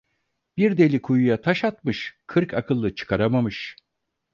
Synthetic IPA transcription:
b̥iɾd̪e̞lʲikʰujujat̪ʰaʃat̪mɯʃkʰɯɾkʰakʰɯlˠːɯt͡ʃʰɯ̥kʰaɾamamɯʃ

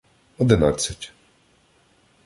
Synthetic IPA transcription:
ɔd̪ɪna̰t͡sʲːɐtʲ

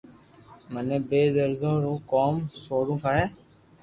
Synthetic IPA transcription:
məneːbeːd̪əɾzõːɾõːkoːmsoːɽũːkaːɦɛː

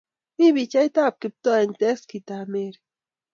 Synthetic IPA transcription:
miβit͡ʃajt̪aːp̚kip̚t̪oent̪eskit̪ameɾ

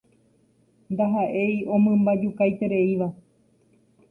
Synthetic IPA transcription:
nd̪aɦaʔe̞jõ̞mɨ̃mbad͡ʒukajt̪e̞ɾe̞iʋa

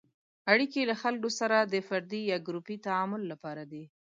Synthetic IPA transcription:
aɽikelaxalkosaɾad̪əfaɾd̪ijɑɡɾupit̪aɑmʊlːapɑɾad̪i

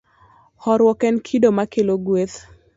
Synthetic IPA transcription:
hɔɾwɔkɛnkʰidomakeloɡweθ

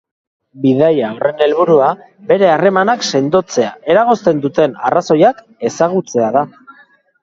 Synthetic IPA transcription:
biðajaore̞ne̞lβuɾua | be̞ɾe̞are̞manakse̞nd̪o̞t͡se̞ae̞ɾaɣ̞o̞st̪e̞nd̪ut̪e̞na̰raso̞jak | e̞saɣ̞ut͡se̞aða

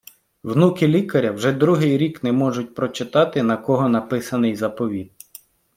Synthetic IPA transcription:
wnukʲɪlʲikɐɾʲɐwʒɛd̪ɾuɦɪjɾʲiknɛmɔʒʊt̚ʲpɾɔt͡ʃɪt̪ɑt̪ɪnɐkɔɦɔnɐpɪsɐnɪjzɐpɔʋʲid̪̚

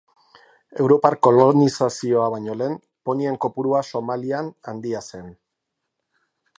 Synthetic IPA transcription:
e̞wɾo̞paɾko̞lo̞nisasio̞aβ̞aɲo̞le̞ːm | po̞nie̞ŋko̞puɾuaso̞malianand̪iase̞n

